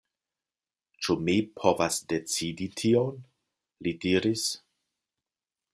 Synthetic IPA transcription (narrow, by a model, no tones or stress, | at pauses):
t͡ʃumipʰovasde̞t͡siditʰion | lidiɾis